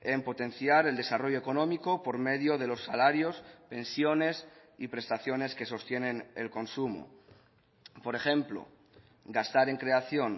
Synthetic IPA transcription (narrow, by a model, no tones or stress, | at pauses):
e̞mpo̞t̪e̞n̟θjaɾe̞ld̪e̞saro̞ʝo̞eko̞nõ̞miko̞po̞ɾme̞ðjo̞ð̞e̞lo̞sːalaɾjo̞spe̞nsjo̞ne̞s | ipɾe̞st̪aθjo̞ne̞ske̞so̞st̪je̞ne̞nelko̞nsumo̰ | po̞ɾe̞xe̞mplo̞̰ | ɡast̪aɾe̞ŋkɾe̞aθjo̞ŋ